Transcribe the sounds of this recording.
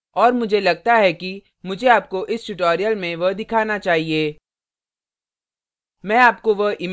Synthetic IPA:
ɔːɾmʊd͡ʒʱelɐɡ̚t̪aɦɛki | mʊd͡ʒʱeaːp̚koʔɪsʈʊʈoːɾijəlmẽʋɐɦd̪ɪkʰaːnat͡ʃaːɦieː | mɛ̃ːaːp̚koʋɐɦʔɪm

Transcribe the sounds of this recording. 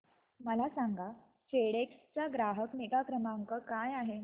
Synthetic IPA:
məlasaŋɡa | t͡ɕeɽekst͡saɡɾaɦəkneɡakɾəmaŋkəkajaɦe

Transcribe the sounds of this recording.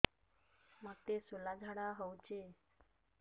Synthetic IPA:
məɡ̚t̪esolad͡zʱaɽaɦəwt͡ɕe

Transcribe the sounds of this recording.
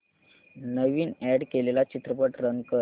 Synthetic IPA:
nəʋiːnɛɽkelelat͡ɕit̪ɾəpəʈɾənkəɾ

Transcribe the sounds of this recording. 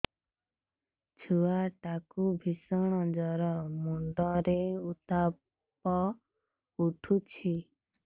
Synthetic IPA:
d͡ʒʰuaʈakubʱisɔɽ̃ɔd͡ʒɔɾɔmuɳɖɔɾeut̪a | pɔ | uʈʰut͡ʃʰi

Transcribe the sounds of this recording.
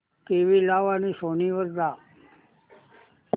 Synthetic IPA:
keʋilaʋanisoniʋəɾd̪a

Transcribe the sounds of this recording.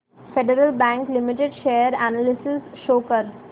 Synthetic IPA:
feɖəɾəlbæ̃ŋklɪmɪʈeɖʃeːɾænalɪsɪsʃoːkəɾ

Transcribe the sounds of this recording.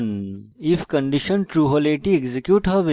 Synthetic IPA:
nifkɐ̃ɳɖiʃənʈɾuːɦoleʈiekzekjuːʈɦɐʋi

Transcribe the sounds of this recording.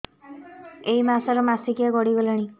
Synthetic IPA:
ejmasaɾɔmasikijaɡɔɽibɔleɽ̃i

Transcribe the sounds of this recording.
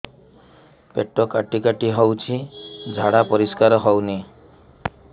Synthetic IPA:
peʈːɔkaʈikaʈiɦɔwt͡ʃʰid͡ʒʱaɽapɔɾiskaɾɔɦɔwni

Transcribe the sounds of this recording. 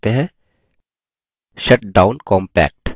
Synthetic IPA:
t̪eɦɛ̃ | ʃɐʈ̚ɖaːʊ̃nkɔ̃ːmpɛ̰ːk̚ʈ

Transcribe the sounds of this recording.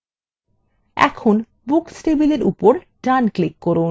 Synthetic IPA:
ɛ̰kʰon | buksʈebileɾṵpoɾʈɾanklikːɔɾu

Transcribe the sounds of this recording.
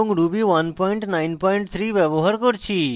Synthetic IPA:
ũŋɡɾubiʋɐnpɔɪɳʈnaɪnpɔiɳʈt̪ʰɾiʋɛʋoɦəɾkɔɾt͡ʃʰi

